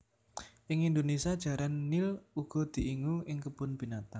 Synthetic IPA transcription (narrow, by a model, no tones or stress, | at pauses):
ʔɪŋind̪onesiad̥ʒ̥ä̤ɾanːɪluɡ̥ɔ̤d̪̥i̤ʔiŋuʔɪŋkəbʊnb̥i̤nat̪aŋ